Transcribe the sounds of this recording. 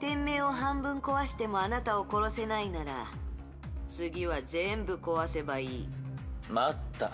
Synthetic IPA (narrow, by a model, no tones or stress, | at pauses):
t̪ẽ̞mːe̞ːo̞ɦãmbɯ̟̃ŋko̞βaɕi̥t̪e̞mo̞anat̪ao̞ko̞ɾo̞se̞nainaɾa̰ | t͡sɨɡʲiβazẽ̞mbɯ̟ko̞βase̞baiːmat̪ːa̰